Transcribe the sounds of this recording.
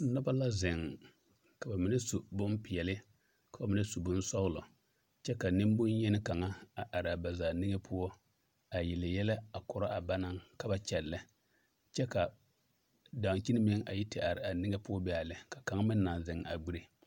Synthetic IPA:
na˦ba˦la˦zɪ˨ŋ | ka˨ba˨mɪ˨nɛ˦su˨bʊ˦m˦pɪ˨ɛ˨lɪ˦ | ka˨ba˨mɪ˨nɨ˦su˨bʊ˦n̩˦sɔ˦ɣlʊ˨ | t͡ʃɛ˦ka˨nɪ˦m˦bʊ˦n˦jɛ˦nɪ˦ka˨ŋa˦a˨ʔa˨ɾɪ˨a˨ba˨zaː˨nɪ˦ŋe˦pʰʊ˦ɔ˦ | a˨jɪ˨lɪ˨jɛ˦la˦a˨kʊ˨ɾa˦ʔa˨ba˦na˦ŋka˦ba˦t͡ʃɛ˨lːɪ˦ | t͡ʃɛ˦ka˨ | da˨ŋ˨t͡ʃi˦nɪ˦mɪ˦ŋʔa̰˨ji˦tɪ˨ʔa˨ɾɪ˨a˨nɪ˦ŋe˦pʊ˦ɔ˦bɛ˦a˨lɪ˦ka˨ka˨ŋa˦mɪ˦nː˦a˨n˨zɪ˨ŋ˨a̰˨ɡ͡bi˦ɾe˦

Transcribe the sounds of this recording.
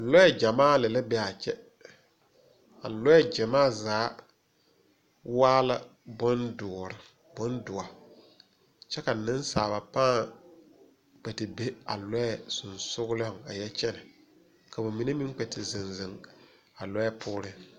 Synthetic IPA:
lɔ˦ɛ˦d͡ʒa˨maː˦lɛ˨la˦bɛ˦a˨t͡ʃɛ˦ | a̰˨lɔ˦jɛ˦d͡ʒa˨maː˦zaː˨˦ | waː˦la˦bʊ˦ndʊ˨ɔ˨ɾɪ˨ | bʊ˦ndʊ˨a˨ | t͡ʃɛ˦ka˨nɪ̃˦nsaː˨ba˨pãː˦ | k͡pɛ˨tɪ˨be˦a̰˨lɔ˦jɛ˨sʊ˨nsʊ˦ɣʊ˦lɪ˦ʊ˨ŋa̰˨jɛ˦t͡ʃɛ˦nɛ˨ | ka˨ba˨mi˨ne˦mɪ˦k͡pɛ˨tɪ˨zɪ˨nzɪ˨ŋ | a˨lɔ˦jɛ˦pʰʊː˦ɾɪ˦

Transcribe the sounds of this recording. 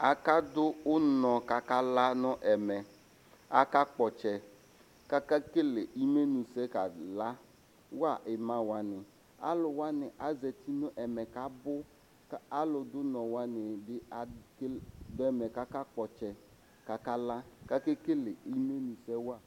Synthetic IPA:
a˨ka˦dʊ˦ʊ˦nɔ˨ka˨ka˦la˦nʊ˦ʔɛ˨mɛ˨ | a˨ka˦k͡pɔ˨t͡ʃɛ˨ | ka˦ka˦ke˦le˨ʔi˦me˦nũ˨sɛ˦ka˨la˦ | wa˦˨ʔɪ˨mã˦wa˨nɪ˨ | a̰˦lʊ˨wa˦nɪ˨ʔa˨zɛ˨ti˦nʊ˦ʔɛ˨mɛ˨ka˨bʊ˦ | ka˦lʊ˨dʊ˦nɔ˨wa˦nɪ˨dɪ˦a˨kdʊ˦ɛ˨mɛ˨ka˦ka˦k͡pɔ˨t͡ʃɛ˨ | ka˨ka˦la˦ka˦ke˦ke˦le˨i˦me˦nu˨sɛ˦wa˦˨

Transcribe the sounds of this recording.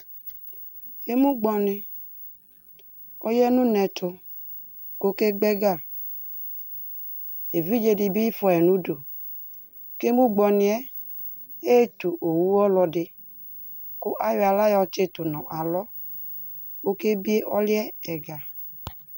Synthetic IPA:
e˦mũ˦ɡ͡bɔ˧nɪ˧ | ɔ˦jɛ˦nũ˦nɛ˧tʰʊ˧ | ko˦ke˦ɡ͡bɛ˦ɡa˦˨ | e˨vi˦d͡ʒe˧di˧bi˦i˦fɔ˨ɛ˨nũ˦do˨ | ke˦mũ˦ɡ͡bɔ˧nɪ˨ɛ˦ | e˦e˦tu˨ʔo˨wu˦ɔ˦lɔ˧dɪ˧ | kʊ˦ʔa˦jo˦a˨la˦jɔ˧t͡ʃe˦tʊ˨nɔ̃˨ʔa˨lɔ˦ | ko˦ke˦bi˦e˦ʔɔ˦lɛ˦ɛ˨ɡa˨

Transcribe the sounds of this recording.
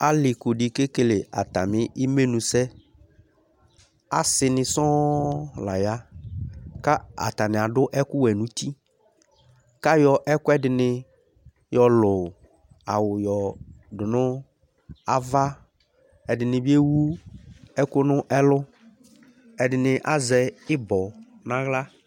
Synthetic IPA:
a˦lɪ˨kʊ˨ɖi˨ke˦ke˨le˨ʔa˨t̪a˨mɪ̃˦i˦me˦nũ˨sɛ˦ | a̰˦sɪ˨nɪ̃˨sɔ̃˦la˨ja˦ | ka˦a̰˨t̪a˨nɪ̃˨a˨ɖʊ˦ʔɛ˦kʊ˦wɛ˨nũ˨˦t̪i˦ | ka˦jɔ˨ʔɛ˦kʊ˦ɛ˦dɪ˨nɪ˦ | jɔ˨lʊ˨ | a˨wʊ˨jɔ˨dʊ˨nʊ̃˦ | a˨va˦ | ɛ˨dɪ˨nɪ̃˨bɪ˦e˦wu˦ɛ˦kʊ˦nʊ̃˦ʔɛ˦lʊ˦ | ɛ˨dɪ˨nɪ˨ʔa˨zɛ˨ɪ˦bɔ˨ | nã˦ɣla˦

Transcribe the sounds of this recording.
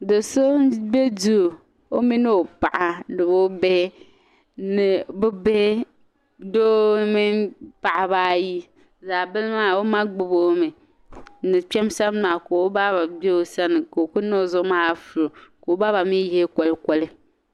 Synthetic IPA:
dɨ˨so˦be˦du˦˨ | o˦mi˦no˦o˨pa˨ʔa˨dɨ˨bo˦be˦ | nɨ˨bʊ˦be˦ | do˦mi˦npa˨ʔa˨ba˦ji˦ | za˨bɨ˦lma˦˨o˦ma˦ɡ͡bɨ˨bo˦mɨ˨ | nɨ˨t͡ʃɛ˦msa˦m˦maː˨ko˨o˦ba˦ba˨be˦o˨sa˦nɨ˨ko˨kʊ˦no˦˨zʊ˦maː˦˨fʊ˨ɾo˨ko˨˦ba˦ba˨mi˦jhe˦kɔ˦lkʷɔ˦lɪ˦

